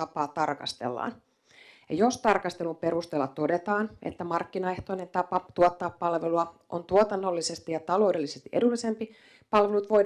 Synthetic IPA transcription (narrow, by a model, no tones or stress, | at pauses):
ɑpɑːt̪ɑrkɑ̰st̪e̞̰lːɑ̰ːn | jɑ̰jost̪ɑrkɑst̪e̞lupe̞ɾust̪eːlːɑt̪o̞de̞t̪ɑːnḛt̪ːæmɑrkːinɑeht̪o̞inent̪ɑpɑt̪uot̪ːɑːpːɑlʋeluɑʔo̰nt̪uot̪ɑnːolːise̞st̪ijɑt̪ɑlo̞wdelːisest̪iʔḛdulːisempi | pɑlʋelut̪ʋo̞ij